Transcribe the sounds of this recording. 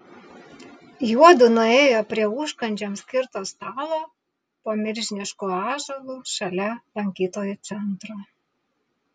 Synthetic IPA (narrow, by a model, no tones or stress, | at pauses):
juɔd̪ʊnʊeːjoːpʲɾʲiɛʊʃkɐnʲd͡ʒʲomsʲkʲɪɾt̪oːst̪ɑːlˠoː | poːmʲɪɾʲʒʲɪnʲɪʃkuːɑːʒɐlˠuːʃɐlʲɛlˠɐŋʲkʲiːt̪oːjut̪sʲɛnt̪ɾoː